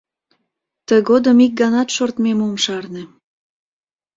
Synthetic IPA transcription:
t̪əɣod̪əmik̚ɡɑnɑt̪ʃort̪memomʃɑrnĕ

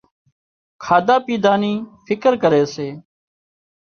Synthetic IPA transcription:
kʰaːd̪aːpiːd̪aːniːfʰɪkəɾkəɾeːseː

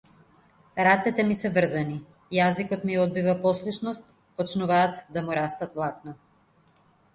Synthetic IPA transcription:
ɾat̪sɛt̪ɛmisɛvr̩zani | jazikɔt̪miɔd̪̚bivapɔslˠuʃnɔst̪ | pɔt͡ʃnuvaːt̪d̪amuɾast̪at̪lˠak̪̚na

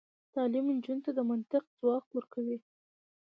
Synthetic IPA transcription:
t̪ɑlimnd͡ʒunt̪ad̪əmant̪ɪq̚zwɑkt̪wəɾkawi

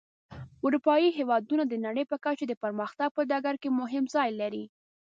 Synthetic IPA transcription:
ʊɾupɑjiɦewɑd̪unad̪ənaɽəjpəkat͡ʃod̪əpəɾməxt̪aɡ̚pəd̪ɑɡaɾkemʊɦɪmzɑjlaɾi

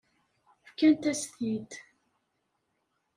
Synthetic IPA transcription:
fkænt̪æst̪jid̪

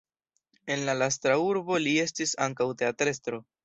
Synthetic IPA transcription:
e̞nlalas̬tɾauɾbo̞lie̞stisaŋkawte̞atɾe̞stɾo̞

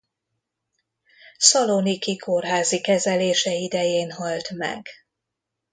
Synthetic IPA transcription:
sɒlonikikʰorɦaːzikɛzɛleːʃɛid̪ɛjeːnɦɒlt̪mɛ̰ɡ̥

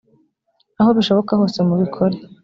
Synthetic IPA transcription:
aho̞βiʃo̞βo̞kaho̞ːsemuβikʰo̞ɾe̞

